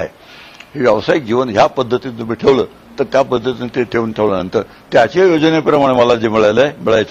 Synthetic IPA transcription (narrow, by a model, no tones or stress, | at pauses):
aɦe | ɦiʋjəʋəsaik̚d͡ʑiʋənɦjapəd̪ʱːət̪ind̪ubiʈʰeʋləː | t̪əɾt̪japəd̪ʱːət̪inet̪eʈ̪ʰeuːnʈʰeʋlənənt̪əːɾ | t̪jat͡ɕejod͡zənepɾəmaɽ̃eməlad͡zimɭajlemiɭajt͡s